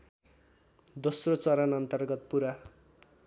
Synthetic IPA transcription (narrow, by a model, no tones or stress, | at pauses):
d̪osrot͡sʌɾʌnʌnt̪ʌrɡʌt̪̚puɾa